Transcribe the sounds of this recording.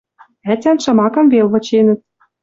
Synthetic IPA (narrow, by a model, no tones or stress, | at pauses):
æt̪ʲænʃɤ̆mɑkɤ̆mvelβɤ̆t͡ɕenɘ̆t̪̚